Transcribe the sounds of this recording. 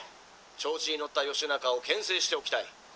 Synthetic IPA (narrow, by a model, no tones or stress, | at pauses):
t͡ɕo̞ːt͡ɕiino̞t̪ːajo̞ɕinakao̞kẽ̞ɰ̃se̞ːɕi̥t̪e̞o̞kʲi̥t̪ai